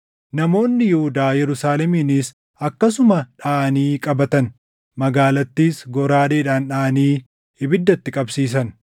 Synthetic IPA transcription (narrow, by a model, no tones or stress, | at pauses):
nɐmo̞ːnːɪjɛhʊd̪aːjɛɾʊsaːlɛmiːnis | ɐkːɐsʊmɐᶑaːʔniːkʼɐbɐt̪ɐn | mɐɡaːlɐt̪ːiːsɡɔɾaːd̪eːᶑaːnᶑaːɐniː | ɪbɪd̪ːɐt̪ːɪkʼɐbsiːs̬ɐn